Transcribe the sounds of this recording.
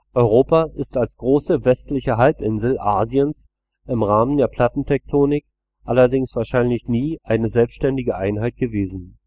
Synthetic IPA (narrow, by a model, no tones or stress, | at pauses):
ʔɔʏʁ̞oːpaʔɪstalsɡ̥ʁoːsəvɛstlɪçəɦalpʔɪnzl̩ʔaːziəns | ʔɪmʁaːməndeːɐpʰl̥atn̩tʰɛk̚tʰoːnɪk | ʔalɐdɪŋsv̥aːɐʃaɪnlɪçniːʔaɪnəzɛlpstʃtɛndɪɡəʔaɪnɦaɪt̚ɡ̥əveːzn̩